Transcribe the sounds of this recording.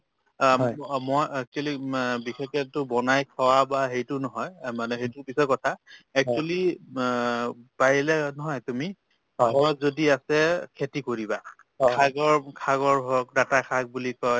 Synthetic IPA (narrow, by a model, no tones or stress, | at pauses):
mɔjɛk̚t͡ʃwalibixʰekɛtʊbɔnajkʰɔwabaɦejtʊnɔɦɔjmanɛɦejtʊpisɔkɔtʰaɛk̚t͡ʃuali | paɹilɛnɔɦɔjtumi | mɔzodiasɛkʰetikoɹiba | kʰaɡɔɹkʰaɡɔɹbʱɔk̚datakʰaɡ̚bulikɔj